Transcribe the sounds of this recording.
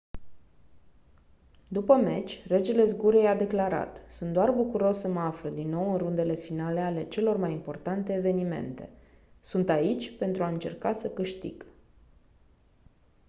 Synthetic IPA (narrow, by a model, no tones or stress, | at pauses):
d̪upəme̞t͡ʃʲre̞d͡ʒe̞le̞zɡuɾejad̪e̞klaɾa̰t̪sunt̪d̪oarbukuɾo̞sːəməafləd̪inːo̞wɨnrund̪e̞le̞finale̞ale̞t͡ʃe̞lo̞rmajimpo̞rt̪ant̪e̞ːve̞nime̞̰nt̪e̞̰ | sunt̪ait͡ʃʲpe̞nt̪ɾuaɨnt͡ʃe̞̰rkasəkɨʃt̪ḭɡ̥